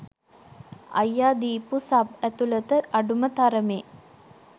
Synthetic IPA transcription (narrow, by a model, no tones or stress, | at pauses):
a̰jːaːd̪iːpusabæt̪ulət̪əʔaɖumət̪aɾəmeː